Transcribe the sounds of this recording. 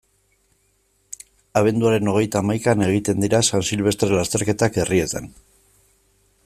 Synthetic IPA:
aβ̞e̞nd̪uaɾe̞no̞ɣ̞e̞jt̪aːmajkane̞ɣ̞it̪e̞nd̪iɾasansilβ̞e̞st̪ɾelast̪e̞ɾke̞t̪ake̞riet͡sen

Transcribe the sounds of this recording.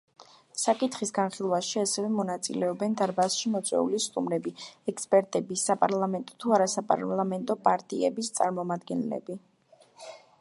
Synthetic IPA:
sakʼit̪ʰχisɡanχilˠwaʃiasɛvɛmɔnat̪sʼḭlɛɔbɛnd̪aɾbasʃimɔt̪sʼwɛ̰ulist̪ʼumɾɛbiɛkspʼɛɾt̪ʼɛbisapʼaɾlˠamɛnt̪ʼɔ̥t̪ʰuaɾasapʼa̰ɾlˠamɛnt̪ʼɔpʼaɾt̪ʼḭɛbist̪sʼaɾmɔmad̪̚ɡɛnlɛ̰bi

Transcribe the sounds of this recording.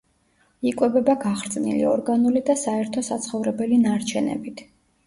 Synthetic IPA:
ikʼwɛbɛbaɡaχɾt̪sʼnḭlḭɔɾɡanulid̪asaɛɾt̪ʰɔsat̪sʰχɔvɾɛbɛlinaɾt͡ʃʰɛnɛ̰bit̪ʰ

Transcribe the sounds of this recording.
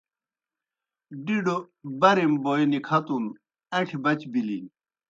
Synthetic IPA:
ɖiɖo | bɐɾemboːjnikʰɐt̪un | ɐʈʰibɐt͡ɕbilin

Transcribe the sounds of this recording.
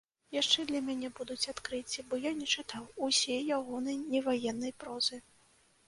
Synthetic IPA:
jaʂt͡ʂɛd̪lʲɐmʲanʲɛbud̪ut͡sʲat̪kɾɨt͡sʲibɔjanʲɛt͡ʂɨt̪awusʲɛjːaɣɔnɐjnʲɛvajɛnːɐjpɾɔzɨ

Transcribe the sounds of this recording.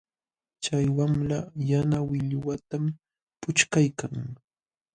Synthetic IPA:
t͡ʃajwamlajanawɪʎʊwat̪am | pʊt͡ʃkajkaŋ

